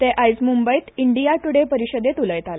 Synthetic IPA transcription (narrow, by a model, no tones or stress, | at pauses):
t̪eʔajd͡zmumbəjt̪iɳɖijaʈuɽepəɾiɕəd̪et̪uləjt̪ala